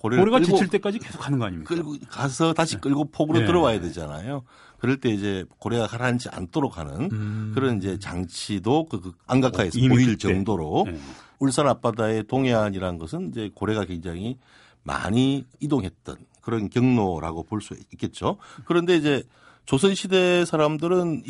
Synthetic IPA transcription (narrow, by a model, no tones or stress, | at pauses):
koɾeɾeɡaoiɭt͈ek͈ad͡ʑikesʰo̥kʰanɯnɡʌaɲikɯɭɡokasʰʌtaɕʰi̥k͈ɯɭɡopʰoɡɯɾotɯɾʌwajade̞d͡ʑana̰jo | kɯɾʌɭt͈e̞id͡ʑe̞koɾe̞ɡakʰaɾand͡ʑia̰ntʰoɾokhanɯ̰nkɯɾʌnid͡ʑe̞t͡ɕaŋt͡ɕʰidokɯaŋɡakkʰaesʌoiɭt͡ɕʌŋdoɾouɭs͈aɾap͈adae̞toŋeaɲiɾaɯnɡʌsʰɯnid͡ʑe̞koɾe̞ɣakwe̞ŋd͡ʑaŋi | ma̰ɲiːdoŋɦe̞t̚t͈ʌ̰nkɯɾʌnkjʌŋnoɾa̰ɡopoɭs͈uik͈e̞t̚t͡ɕ͈okɯɾʌnde̞id͡ʑe̞ | t͡ɕosʰɯnɕʰide̞sʰaɾamdɯɾɯn